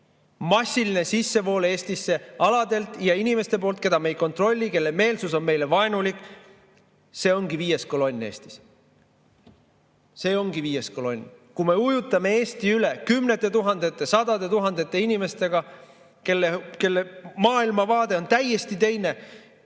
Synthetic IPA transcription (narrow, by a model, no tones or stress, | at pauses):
mɑsːiline̞sisːe̞vo̞ːle̞ːst̪isːe̞ɑlɑd̪e̞lt̪ˑjɑinime̞st̪e̞po̞ːlt̪̚ke̞d̪ɑme̞jko̞nt̪ro̞lʲːike̞lːeme̞ːlsuso̞nme̞jle̞vɑenulikːˑ | se̞ːo̞ŋɡ̥iviːje̞sko̞lo̞nʲːe̞ːst̪i̥s | se̞ːo̞ŋɡ̥iviːje̞sko̞lo̞nʲkume̞ujut̪ˑːɑme̞e̞ːst̪iylekymnet̪ːˑe̞t̪uɦɑnd̪̥e̞t̪ːˑe̞sɑd̪ɑd̪e̞t̪uɦɑnd̪e̞t̪ːˑe̞inime̞st̪e̞ɡ̥ɑ | ke̞lːeke̞lːemɑːilmɑvɑːd̪̥e̞o̞nt̪æje̞st̪it̪e̞jne̞